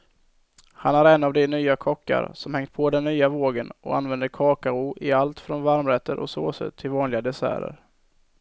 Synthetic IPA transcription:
hanæɾɛnavd̪ɪnyːakʰɔkːa̰ɾsɔmhɛŋt̪̚pʰɔd̪ɛnːyːavoːɡənɔ̰a̰nvɛnd̪əɾkʰɑːkaʊʔɪalt̪fɾɔnvaɾmɾɛt̪ʰːəɾʔɔ̰so̰ːsə̰t̪ʰːɪlvɑːnlɪɡad̪ɛsæ̰ːɾə̰ɾ

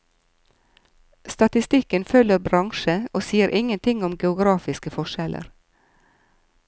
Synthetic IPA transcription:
st̪ɑt̪ɪst̪ɪkənfœləɾbɾɑŋʃəoːsiːəɾʔɪŋənt̪ʰɪŋʊmɡɛʊɡɾɑːfɪskəfɔʃɛlʔə̰ɾ

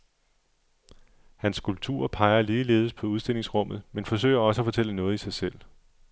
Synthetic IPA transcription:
hænskulb̥̚t͡sʰṵːɐ̰pʰɑ̈ɪɐliːle̝̰ːðˠəspʰɒ̽uð̞ˠsd̥e̝l̰e̝ŋsʁɔ̽m̰ð̞̩ˠmenfɒ̽s̬ø̰ɪɐɒ̽səæfɒ̽t͡sʰel̰ənɔ̽ːð̞̩ˠisɑ̈ɪsel̰

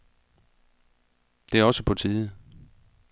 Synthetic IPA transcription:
d̥e̝æɒ̽səpʰɒ̽t͡sʰiːð̩ˠ

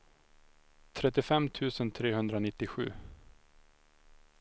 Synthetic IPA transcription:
t̪ʰɾɛt̪ːɪfɛmt̪ʰʉ̟ːsənt̪ʰɾeːɦɵnd̪ɾanɪt̪ːɪɧʉ̟ː

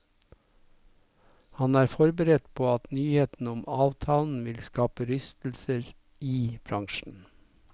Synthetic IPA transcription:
hɑnæːɾfɔɾbəɾɛt̪pʰoːɑt̪nyːheːt̪n̩ʊmɑːʋt̪ʰɑːln̩ʋɪlskɑːpəɾʏst̪l̩səɾ | iːb̥ɾɑŋʃn̩

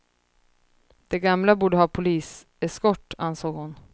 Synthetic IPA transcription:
d̪̥ɛɡamlabuːɖəɦɑːpʰʊliːs | ɛskɔʈːansoːɡhʊn

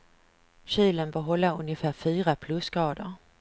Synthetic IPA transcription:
ɕiːlənbœːɦɔlːaɵnjəfæːɾfyːɾapʰlɵsɡ̥ɾɑːd̪əɾ

